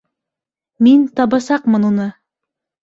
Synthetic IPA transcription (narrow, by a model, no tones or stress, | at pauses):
mint̪ɑbɑsɑqmɤnunɤ